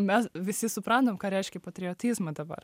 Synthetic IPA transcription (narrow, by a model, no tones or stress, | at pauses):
mʲɛsʋʲɪsʲɪsʊpɾɐnt̪oːmkɑːɾʲɛɪʃʲkʲɛpɐt̪ʲɾʲɪot̪ʲiːzmɐd̪ɐbɐ̰r